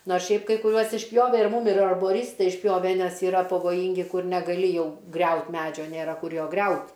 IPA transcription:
ˈnoːrs ˈʃʲɛɪp kɐɪ kʊˈrʲuɔs ɪʃʲˈpʲjoːʋʲɛ ɪr ˈmuːm ɪr ɐrboːˈrʲiːstɐɪ ɪʃʲˈpʲjoːʋʲɛ ˈnʲɛs iːˈrɐ pɐʋoːˈjiːŋʲɡʲɪ ˈkʊr nʲɛɡɐˈlʲɪ ˈjɛʊ ˈɡrʲɛʊt ˈmʲæːd͡ʒʲoː ˈnʲeːrɐ ˈkʊr ˈjoː ˈɡrʲɛʊtʲ

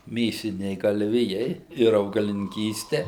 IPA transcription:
ˈmʲeːsʲɪnʲɛɪ ɡɐlʲˈʋʲɪjɛɪ ɪr ɐʊɡɐlʲɪnʲɪŋʲˈkʲiːsʲtʲɛ

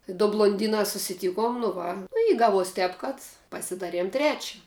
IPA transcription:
dʊ blˠoːnʲˈdʲiːnɑː sʊsʲɪˈtʲiːkoːm nʊ ˈʋɐ nʊ ɪ ˈɡɑːˌʋuɔs ˈtʲɛːp kɐt pɐsʲɪˈdɑːˌrʲiɛm ˈtʲrʲæːt͡ʃʲɛ

